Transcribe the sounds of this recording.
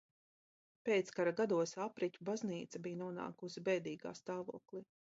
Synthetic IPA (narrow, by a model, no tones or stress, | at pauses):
peːt̪skaɾaɡad̪uɔsapɾicʲubazniːt̪sabijnuɔna̰ːkusbɛːd̪iːɡa̰ːst̪aːvṵɔklˠi